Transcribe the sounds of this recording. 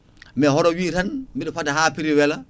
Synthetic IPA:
mɛhɔɾɔwiːɾanmiɗfadahapiɾiwɛla

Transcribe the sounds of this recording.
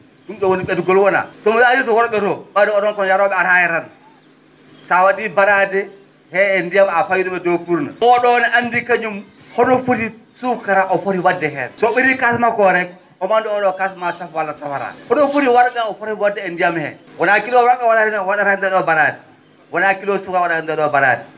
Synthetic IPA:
dumɗɔwoniɓɛduɡɔlwɔna̰sɔmiɾaaɾitɔwɔɾɔɓɛtɔmadɛɔnɔnkɔnjaɾɔɓɛaɾajɛɾan | sawadibaɾadɛ | hɛːndijamafajuɗɔɓɛdofuɾna̰ɔɗɔnɛʔandikaɲum | hɔnɔfuɾisukaɾaʔɔfoɾiwadːɛɦɛ̰sɔɓiɾikasmakɔɾɛ | ɔmanduɔɗɔkasmasafwalːasafaɾa̰hɔnɔfuɾiwaɾɗaɔfoɾiwadːɛendijamhɛ̰wɔnakilɔɾaɓɛwadadɛnwaɗaɾandɛɗɔbaɾadɛ | wɔnakilɔsukawaɗaɾandɛɗɔbaɾa̰dɛ

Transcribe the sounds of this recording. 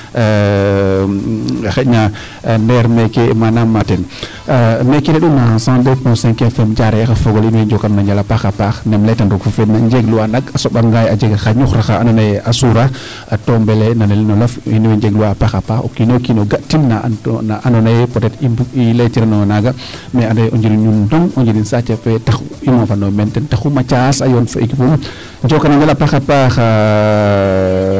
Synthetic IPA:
xɛɲa | nɛɾmɛkemanamːatɛn | mɛkɛɾɛɗunnasãdɛpɔ̃sɛ̃ŋkɛnfɛmd͡ʒaɾɛjaxafɔɡɔlinwɛd͡ʒɔkannaɲd͡ʒalapaxapaxnɛmlɛtandɔɡfufɛnaɲd͡ʒɛɡluwanaɡasɔɓaŋɡajad͡ʒɛɡaxaɲuxɾaxaanɔnajɛʔasuɾa | atɔmbɛlɛnanelinɔlɐfiniwɛɲd͡ʒɛɡluwapaxapaxo̰kinokinoɡatːinːanaʔanɔnajɛpɔtɛtibuilatiɾanɔŋanaɡa | mɛanɔjʔɔɲd͡ʒiɾiɲundɔŋɔɲd͡ʒiɾinsat͡ʃafɛtaximɔfanomɛntɛntaxumat͡ʃasajɔnfikifum | ɲd͡ʒɔkanaɲd͡ʒalapaːxapax

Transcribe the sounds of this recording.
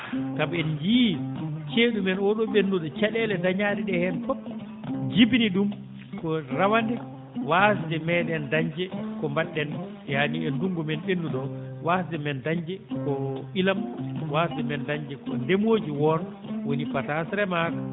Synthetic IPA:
kabɛnd͡ʒiːt͡ʃeːɗumɛnɔɗɔɓenːuɗɔt͡ʃɛɗɛlɛdaɲaːɗɛɗɛhɛnfɔp | d͡ʒibniɗum | kɔɾawandɛ | wasdɛmɛɗɛndaɲd͡ʒɛkɔmbanɗːɛn | ɛhaniɛnduŋɡumɛnɓenːuɗɔ | wasdɛmɛndaɲd͡ʒɛkɔilamwasdɛmɛndaɲd͡ʒɛkɔndemoːd͡ʒiwɔn | wonipatasɾɛmaːka

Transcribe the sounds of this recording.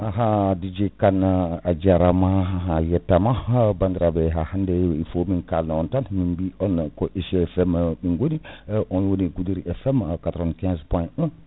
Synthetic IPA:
aɦadid͡ʒɛkanad͡ʒaɾamaɦajɛtːamabandiɾabɛɦahandɛifominkalnaɔntanminbiɔnkɔʔeʃfɛmminɡoniʔɔnwoniɡudiɾiʔɛfɛmkatɾɔnkɛ̃nspɔnɛ

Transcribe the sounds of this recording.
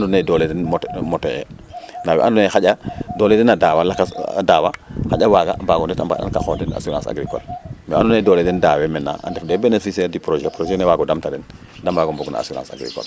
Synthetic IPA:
andunedoledɛnmmoteɛ̰nawḛʔandɔnexaɟadoːledɛnadaːwalakasdaːwaxaɟawaɡabaːɡɔndɛtamba̰da̰nkaxondɛna̰suɾã̰nsa̰ɡɾikɔ̰lmɛandunedoːledɛndaːwemɛna̰ʔa̰ndefdɛbenefisɛːɾdipɾoʒɛpɾoʒɛnewaɡɔdamtadɛn | dambaɡomboɡna̰a̰suɾa̰nsa̰ɡɾḭkɔ̰l

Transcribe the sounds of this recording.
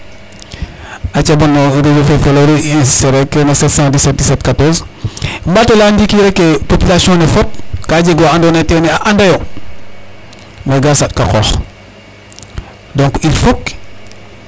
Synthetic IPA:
at͡ʃabanoɾiɾifefeloɾiiseɾekenasetsãdiset̚disetkatoz | mbatolandikiɾekːepopilasiõnefot̚kaɟiɡoandoneteneaʔandajo | naɡasatkako̰x | dõŋkifok

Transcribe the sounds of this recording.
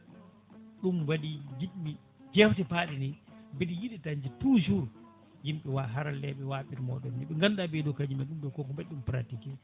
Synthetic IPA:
ɗumwadid͡ʒiɗmi | d͡ʒɛftɛpaːɗinibiɗijiɗitaɲd͡ʒituʃuɾ | jimɓɛwaɦaɾalɛɓɛwaːɓiɾmɔ̰ɓɛnːɛɓɛŋɡanɗabɛdɔkad͡ʒimaɗumɗɔkɔkɔmbɛɗumpɾatikɛ

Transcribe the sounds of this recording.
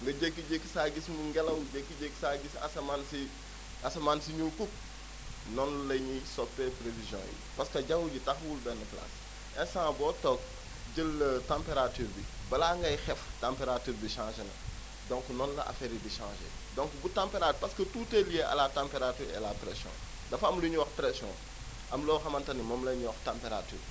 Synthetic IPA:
ŋɡɐɟekːiɟekːi̥saːɡismuŋɡɛlɐwɟekːiɟekːsaːɡisa̰sɐmansi | asɐmansiɲulkuk̚ | nɔnlɐɲisɔpːɛpɾevizjɔ̰̃ːjḭpɐskɐɟɐŋɡuɟitɐxwulbɛnːəkla̰s | ʔɛnsãːbɔːtɔk̚ | ɟəlːɐtãmpeɾatyːɾbibɐlaːŋɡɐjxɛftãmpeɾatyːɾbiʃãːʃenɐ̰ | dɔ̃ŋknɔnlɐ̰ʔa̰feɾibiʃã̰ːʒḛdɔ̃ŋkbutãmpeɾapɐskətuːtelijeʔɐ̰latãmpeɾatyːɾɛ̰lapɾɛsjɔ̰̃ː | dɐfɐmluɲuwɐxpɾɛsjɔ̰̃ | ʔɐmlɔːxɐmɐntɐnimɔmlɐɲuwɐxtãmpeɾaty̰ːɾ

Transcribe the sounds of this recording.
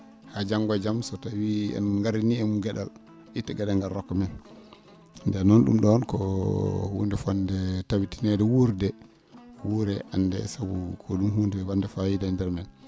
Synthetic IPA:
had͡ʒaŋɡad͡ʒamsɔtawiɛ̰nŋɡaɾiniɛmuɡɛɗa̰l | ʔitːaɡɛɗalɡaɾɔkːɔmɛn | ndɛnɔnɗṵmɗɔnkɔ̰hundɛfandɛtawitinɛdɛwuɾdɛ | wuɾɛʔandɛ̰sabukʰɔɗumhundɛɛwandɛfawidandɛɾmɛn

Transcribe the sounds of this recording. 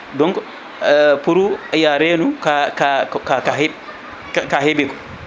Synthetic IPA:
dɔŋkɔ | puɾuajaɾɛːnukakakakaɦɛ | kaɦɛbɛkɔ̥

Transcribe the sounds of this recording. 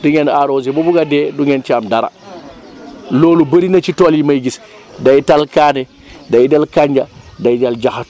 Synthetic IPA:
diŋenaɾozibubuɡadeduŋent͡ʃiamdaɾa̰ | loːlubəɾinat͡ʃitoljimajɡis | dajtalkaːne | dajdalkaɲd͡ʒadajdald͡ʒaxa

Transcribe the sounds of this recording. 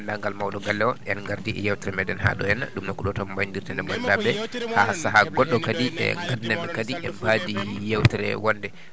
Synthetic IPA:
ndaŋɡalmawɗɔɡalːɛwɔʔɛnŋɡaɾdiɛ̰jawtiɾɛmɛdɛnha̰ɗɔjɛnaɗumnakuɗɔtɔmmbaɲdiɾtandɛmandabɛhasaɦaɡɔɗːɔkadiɛ̰ŋɡadnamɛkadiʔɛmbadijawtiɾɛ̰wɔndɛ

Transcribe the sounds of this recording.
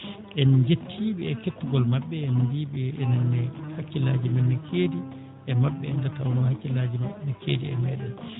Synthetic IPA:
ʔɛnd͡ʒetʰːiɓɛɛkekːuɡɔlmaɓːɛːndiːɓɛɛnɛnːɛhakːila̰ːd͡ʒimɛnːɛkʰeːdi | ʔɛmaɓːɛɛndata̰wnɔhakːilad͡ʒimaɓːɛnɛkʰḛːdiɛmɛɗɛn

